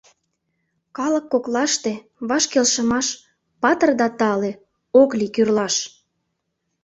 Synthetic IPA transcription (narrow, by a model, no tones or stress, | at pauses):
kɑləkːoklɑʃt̪e | βɑʃkelʃə̆mɑʃ | pɑt̪ərd̪ɑt̪ɑle | oklikyrlɑʃ